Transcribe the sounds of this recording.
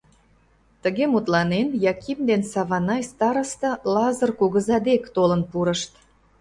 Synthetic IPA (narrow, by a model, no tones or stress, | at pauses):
t̪əɣemut̪lɑnenjɑkʲimd̪ensɑβɑnɑjst̪ɑɾə̆st̪ɤ̆lɑzərkuɣəzɑd̪ekt̪olənpuɾəʃt̪